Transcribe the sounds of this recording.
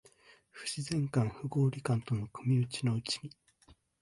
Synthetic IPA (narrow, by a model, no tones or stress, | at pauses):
ɸɯ̟̥ɕizẽ̞ŋkãɰ̃ɸɯ̟ɡo̞ːɾʲikãnt̪o̞nokɯ̟mʲiɯ̟t͡ɕino̞ɯ̟t͡ɕi̥ɲʲi